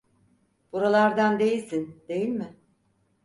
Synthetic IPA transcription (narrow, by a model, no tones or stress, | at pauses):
b̥uɾalˠaɾd̪and̪e̞jilʲsind̪̥e̞jilʲmɪ